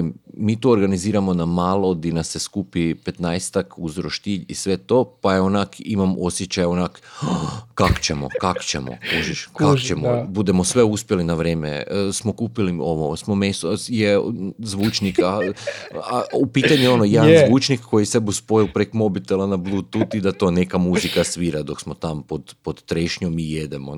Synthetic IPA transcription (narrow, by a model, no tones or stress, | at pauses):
mmiːt̪uoɾɡaniziːɾamonamaːlˠod̪inaseskuːpipe̞t̪najst̪akuzɾoʃt̪iːʎḭsʋe̞t̪oːpajeonakimamo̞sjet͡ɕajonak | kako̥t͡ɕemo̞̰kako̥t͡ɕḛmo̰kuʒiʃkat͡ʃemobud̪emosʋeuspjelinaʋɾeːmḛsmokuːpilioʋosmomesojezʋuːt͡ʃnika | aupiːt̪aɲueo̞nojed̪nzʋuːt͡ʃnikːo̞jisebuspo̞ilpɾekmo̞bit̪elanabluːd̚t̪ut̪id̪at̪o̞ne̞kamuzikasʋiːɾad̪o̞ksmot̪ampod̪pod̪t̪ɾeʃɲomijed̪emo̰